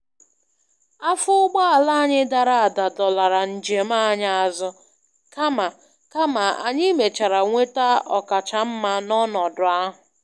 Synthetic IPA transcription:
a˦fʊ˦ʊ˦ɡ͡ba˦a˨la˦a˦ɲɪ˦da˨ɾa˨a˨da˨dɔ˨la˨ɾa˨n̩˨d͡ʒe˨ma˦˨˦ɲa˦a˨zʊ˦ | ka˦ma˨ | ka˦ma˨a̰˨ɲɪ˦me˨t͡ʃa˨ɾa˨ŋʷe˦ta˦ʔɔ˨ka˨t͡ʃa˨m̩˦ma˦nɔ˦nɔ˨dʊ˨a˦ɦʊ˨

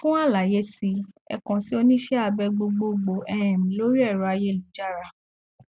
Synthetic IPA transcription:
fũ˦a˦˨la˨je˨˦si˧ɛ̰˧kɔ̃˨ti˦o˧nĩ˦ʃɛ˦a˧bɛ˧ɡ͡bo˧ɡ͡bo˧ɡ͡bo˧ɛ˧ɾ̃ɛ̃˨mĩ˨˦lo˦ɾi˦ɛ˦˨ɾɔ˨˧a˧je˦˨lu˨˦d͡ʒa˦˨ɾa˨

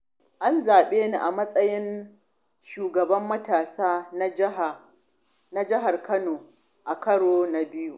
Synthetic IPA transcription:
ʔa˦nzaː˨ɓeː˦ni˨ʔa˨mɐ˦sʼɐ˦jɪ˦n | ʃuː˨ɡɐ˨bɐ˦mːɐ˦taː˨saː˦n˦˨ | na˦d͡ʒɪ˦ɦa˨rkʰɐ˦noː˨ | ʔa˨kɐ˦ɽoː˦na˨bɪ˦ju˦ʔ

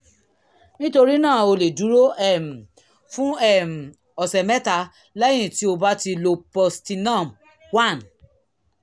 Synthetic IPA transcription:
nĩ˦to˧ɾi˦nãː˦˨o˧le˨du˨˦ɾo˦ɛ˦˨m˨ | fũ˦ɛ˦˨m̩˨ | ɔ˨sɛ˨mɛ˦ta˧ | lɛ̃˦ĩ˦˨ti˨˦o˧ba˦ti˧lo˧pɔ˧sti˧nã˦˨m | wa˦˨n

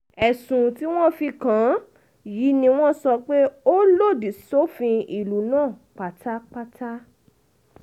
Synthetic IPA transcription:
ɛ˨sũ˨ti˦w̃ɔ̃˦fi˧kã˨˦ | ji˨˦nĩ˧w̃ɔ̃˦sɔ˧k͡pe˦o˦lo˦˨di˨so˦fĩ˧i˦˨lu˨˦nãː˦˨k͡pa˨tʰa˦k͡pa˦tʰa˦

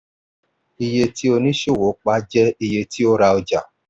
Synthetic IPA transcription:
i˧je˧ti˦o˧nĩ˦ʃo˦˨wo˨˦k͡pa˦d͡ʒɛ˦i˧je˧ti˦o˦ɾa˧o˧d͡ʒa˨

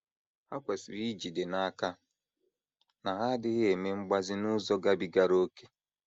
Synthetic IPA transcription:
ha˦kʷe˨si˨ɾi˦d͡ʒi˨de˨na˨˦ka˦ | na˨ɦa˦dɪ˦ɣɪ˦e˨me˦ŋ͡m̩˦ɡ͡ba˦zɪ˦nʊ˦zɔ˦ɡa˦bi˨ɡa˨ɾo˦ke̥˦

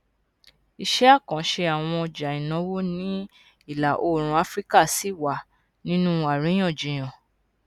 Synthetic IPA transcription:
i˧ʃɛ˦a˦˨kã˨˦ʃe˧a˨w̃ɔ̃˧ɔ˧d͡ʒa˨i˨nã˨˦wo˦nĩ˦ | i˦˨la˨ʔo˦˨ɾ̃ũ˧˦a˦fɾi˦ka˦˨si˨˦˨wa˨ | nĩ˦nũ˦a˨ɾĩ˨˦j̃ã˦˨d͡ʒĩ˨j̃ã˨

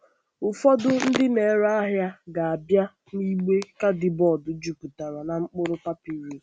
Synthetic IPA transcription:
ʊ˨fɔ˦dʊ˦n̩˦dɪ˦ne˨ɾa˦a˦ɦja˦ɡa˨a˨bja˦ | ni˦ɡ͡be˦ka˦dɪ˨bɔ˨dʊ˨d͡ʒu˨ku˨ta˨ɾa˨na˨ŋ͡m̩˦k͡pʊ˦ɾʊ˦pa˦pi˦ɾe˦˨

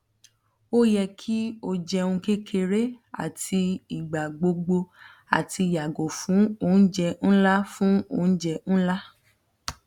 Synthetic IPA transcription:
o˦jɛ˧kʰi˦o˧d͡ʒɛ˧ũ˧ke˦kʰe˧ɾe˦a̰˦˨tʰi˧i˨ɡ͡ba˨ɡ͡bo˧ɡ͡bo˧ | a̰˨tʰi˧˨ja˨ɡo˨fũ˨˦o˧˨n̩˦d͡ʒɛ˧ñ̩˦la˦fũ˦o˧˨n̩˦d͡ʒɛ˧ñ̩˦la˦

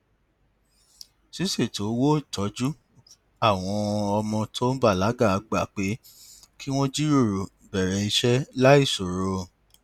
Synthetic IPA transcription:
si˦se˦˨to˨˦wo˦˨tɔ˨˦d͡ʒu˦ | a˦˨w̃ɔ̃˧ɔ˧mɔ̃˧tʰo˦ba˦˨la˨˦ɡa˦˨a˨˧ɡ͡ba˦˨k͡pe˨˦ | ki˦w̃ɔ̃˦d͡ʒi˦ɾo˦˨ɾo˨ | bɛ˨ɾɛ˨˦i˧ʃɛ˦la˦i˦˨so˨ɾo˧

